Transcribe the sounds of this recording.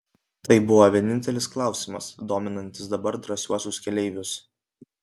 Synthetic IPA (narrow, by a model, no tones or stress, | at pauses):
t̪ɐɪbʊʋoʋʲiɛnʲɪnʲt̪ʲɛlʲɪsklˠɑˑʊsʲɪmɐsd̪oːmʲɪnɐnʲt̪ʲɪs̬d̪ɐbɐɾd̪ɾɐsʲuɔsʲʊskʲɛlʲɛɪʋʲʊs